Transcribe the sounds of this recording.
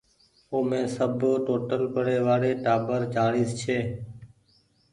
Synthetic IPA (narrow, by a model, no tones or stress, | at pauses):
oːmẽːsəbʈoːʈəlpəɽeːʋaːɾeːʈaːbəɾt͡ʃaːɽiːst͡ʃʰeː